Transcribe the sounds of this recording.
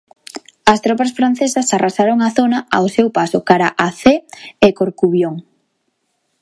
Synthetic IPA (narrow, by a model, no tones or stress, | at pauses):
ɐst̪ɾɔpɐsfɾan̟θesɐsarasaɾoŋaθonɐawsewpasʊkaɾaʔaθeekoɾkuβjoŋ